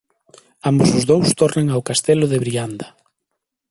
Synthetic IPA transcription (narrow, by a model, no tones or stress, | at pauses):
ambʊsʊzðowst̪ɔrneŋawkast̪elʊðɪβɾiand̪ɐ